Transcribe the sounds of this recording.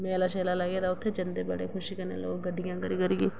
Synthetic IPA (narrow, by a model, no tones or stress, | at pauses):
mẽːlaːʃeːlaːlaɡeːd̪aːʊt̪ʰːeːd͡ʒənd̪eːbəɽḛːkʰʊʃiːkəɾnḛːlo̰ːɡɡəɖʱɪjãːkəɾiːkəɾiːɡeː